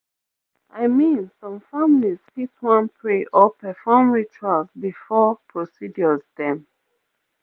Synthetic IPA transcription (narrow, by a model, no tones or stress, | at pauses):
ʔaɪmĩnsɔ̃mfamiliz̥fitwãnpʰɹeʔɔpɛfɔmɹit͡ʃualzbifɔpʰɹosid͡ʒɔzðɛ̃m